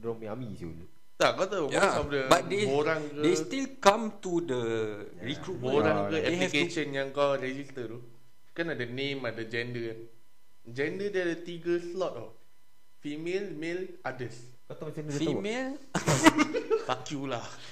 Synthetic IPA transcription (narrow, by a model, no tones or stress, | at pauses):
dɔmiamisḭu | t̪akat̪awɔasɔfdəbat̚deboɾaŋkədest̪ilkãmt̪udə | ɹikɾutboɾãŋkəɛeiɛkeʃənjãŋkawɾɛd͡ʒist̪ət̪u | kanadənẽmadəd͡ʒɛndən | d͡ʒɛ̃ndədɛadət̪iɡəslɔt̚ɔ̰f | fimelmelʔadəs | kat̪aɛkfimel | fakjulah